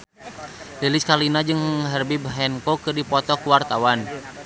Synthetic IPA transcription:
liliskalinad͡ʒɨŋəŋɦərbibəɦɛnkɔkɨrdipɔt̪ɔkuwart̪awan

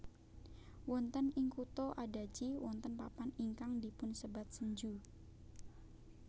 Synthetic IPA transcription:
wɔnt̪ənɪŋkut̪oʔadad͡ʒiwɔnt̪ənpapaniŋkaŋdipʊnsəbat̪̚səɲd͡ʒu

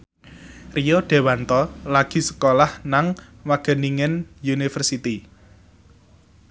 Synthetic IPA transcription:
rijoɖ̪̥e̤want̪ɔlaɡ̥i̤sə̥kolahnaŋwaɡ̥ə̤niŋɪnjunifərsit̪i

